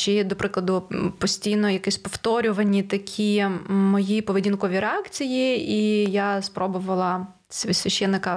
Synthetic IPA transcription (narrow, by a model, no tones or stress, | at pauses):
t͡ʃid̪ɔpɾʔɪklˠɐd̪ʊpɔsʲtʲijnɔjɐkɛsʲpɔft̪ɔɾʲʊʋɐnʲːit̪ɐkʲʰimɔjipɔʋɪdʲinkɔʋʲiɾeakt͡sʲijiijaspɾɔbʊʋɐlˠɐ | sʲʋʲsʲʋʲɐʃɛnːɪkɐ